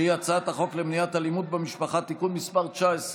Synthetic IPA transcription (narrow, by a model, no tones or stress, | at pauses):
iat͡saat̪aχo̞klemnijat̪halimud̪̚bemiʃpaχat̪ikunmispaʁt͡ʃaes